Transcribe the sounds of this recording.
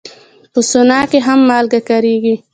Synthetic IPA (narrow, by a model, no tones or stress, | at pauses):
pəsʊnɑkeɦamːɑlɡakaɾiɡi